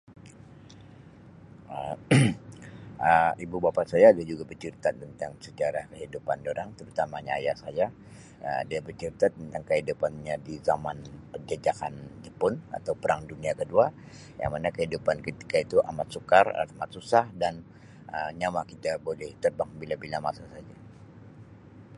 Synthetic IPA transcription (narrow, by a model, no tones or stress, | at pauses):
ə | əibubapasajadiad͡ʒuɡabərt͡ʃiɾit̪at̪ːənt̪aŋsət͡ʃaɾahkəɦidupandoɾaŋt̪əɾut̪amaɲa̰ːjasaja | ə̰diabərt͡ʃiɾit̪at̪ːənt̪aŋkəɦidupanɲadizamanpəd͡ʒad͡ʒakand͡ʒəpʊna̰t̪awpəɾaŋduniakədua | ja̰ŋmanakəhidupankət̪i̥kait̪uʔamat̪̚sukara̰mat̪̚susahdan | ʔəɲamakit̪abolɛht̪ərbaŋbilabilamasasad͡ʒa